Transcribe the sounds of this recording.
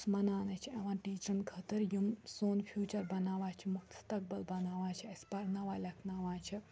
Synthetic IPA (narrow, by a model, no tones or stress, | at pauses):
smɐnaːnɐt͡ʃʰieʋãːʈiːt͡ʃɾɐnɡʱɐt̪ɨɾjumsoːnpʰjuːt͡ʃɐɾbɐnaːʋaːt͡ʃʰimukt̪st̪ɐk̚bɐlbɐnaːʋaːt͡ʃʰiɐspɐɾnɐʋaːlʲɐkʰnaːʋaːt͡ʃʰi